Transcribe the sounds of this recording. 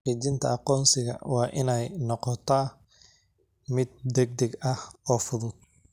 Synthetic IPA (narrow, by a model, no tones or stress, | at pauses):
iːt͡ʃɪnt̪ʰɐ̰ɑqɔːnsɪɣɐ̰wɑːʔɪnɛjnɔqɔt̪ʰaː | mɪd̪̚ːɛɡ̚d̪ɛɡɐhɔːfʊðʊd̪̚